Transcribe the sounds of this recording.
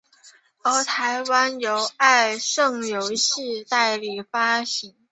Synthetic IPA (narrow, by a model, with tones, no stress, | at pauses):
ə˧˥t̪ʰa˧˥ɪwa˥njo˧˥ʊa˥˧ɪʂɤ˥˩ŋjo˧˥ʊɕi˥˧t̪a˥˩ɪli˨˩fa˥ɕi˧˥ŋ